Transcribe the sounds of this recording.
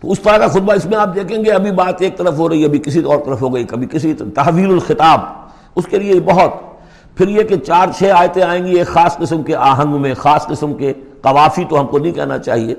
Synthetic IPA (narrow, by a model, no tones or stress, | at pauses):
t̪o̰ːʊst̪ɐɾakaxʊt̪̚baɪsmẽaːp̚d̪eːkʰẽːŋɡeɐbʱibaːt̪eːk̚t̪ɐɾəfɦoɾɐiɐbʱikɪsit̪ɔːɾt̪ɐɾəfɦoɡɐikɐbʱikɪsit̪ɐɦʋiːlʊlxɪt̪aːb | ʊskeliebɐɦɔt̪ | pʰɪɾjeket͡ʃaːɾt͡ʃʰeːaːjt̪ẽaːẽːɡieːkxaːsqɪsmkeʔaːɦə̃ŋɡmẽxaːsqɪsəmke | qɐʋaːfit̪oɦɐmkonɐɦĩkɛ̰ɦna̰t͡ʃa̰ːɦieː